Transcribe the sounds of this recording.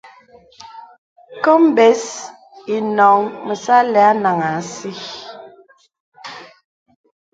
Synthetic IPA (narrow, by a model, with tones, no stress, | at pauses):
kɔ˦m˦bɛ˨˦s | i˨nɔ˨ŋmə˨sa˦lɛ˨a˦na˨ŋa˨si˦